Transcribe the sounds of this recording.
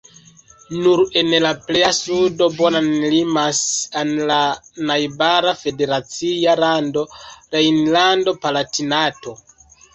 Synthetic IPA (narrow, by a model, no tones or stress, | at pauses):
nuɾe̞nlaple̞jasudo̞bo̞nanlimasanlanajbaɾafe̞de̞ɾat͡sialando̞ɾejnlando̞palatinato̞